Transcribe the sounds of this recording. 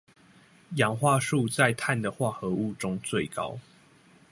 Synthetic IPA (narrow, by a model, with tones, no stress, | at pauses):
jɑ˨˥ŋxwa˥˧ʂu˥˧t͡sa˥˨ɪt̪ʰa˥˩nd̪ə˩xwa˥˨xɤ˨˦u˥˨ʈ͡ʂʊ˥ŋt͡swe˥˨ɪkɑ̰˦ʊ